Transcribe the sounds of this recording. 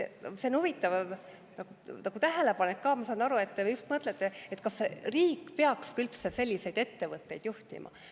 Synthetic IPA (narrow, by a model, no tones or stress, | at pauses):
eseonuvit̪ːˑɑv | nɑkunɑɡ̥ut̪æɦele̞pɑnekːɑːmɑsɑnɑɾue̞t̪ːejust̪mɤt̪ːˑlet̪ːeet̪kɑsːeriːkːˑpeɑkskylt̪sese̞lʲːise̞jd̪̥e̞t̪ːe̞vɤt̪ːe̞jd̪̥juht̪ḭmʔɑ̰